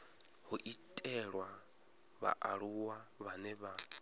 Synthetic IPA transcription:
huʔitʼɛɺwa | βa̰ʔaɺuwaβanɛβa

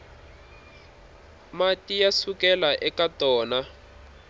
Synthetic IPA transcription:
matijasukɛlaʔɛkatɔːna

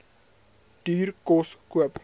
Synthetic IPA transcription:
d̥iːrkɔskuəp

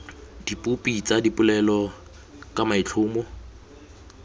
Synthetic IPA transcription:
dipʼupʼit͡sʼadipʼʊlɛlɔ | kʼamaɪt͡ɬʰʊːmɔ

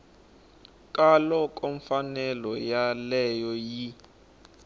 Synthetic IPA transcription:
kʼalɔkʼoɱfanɛlɔjalɛjɔji

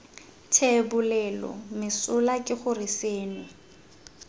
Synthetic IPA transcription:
tʰebʊlɛlɔ̰mɪsʊlakʼɪχʊrɪseːnɪ

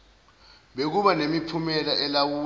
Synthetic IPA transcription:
ɓek̬uɓanemipʰumɛlaʔɛlawuː

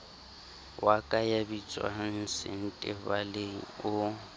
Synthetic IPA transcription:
wakʼajabit͡sʼwa̰n̩sɪ̰n̩tʼɪbaleŋ̩ʊ

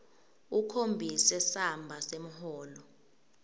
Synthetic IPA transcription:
ukʰombʱisɛsambʱasem̩hɔːlɔ

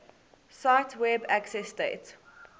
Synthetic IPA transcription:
saɪtʰwɛbæksɛstḛɪt

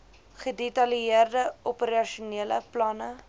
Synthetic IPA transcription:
χədetɐliiərdəɔpəɾɐʃuniələ̰plɐnə

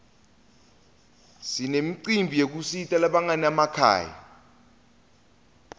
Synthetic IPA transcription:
sinemiǀimbʱijek̬usitʼalaɓaŋanamakʰa̰ːja̰

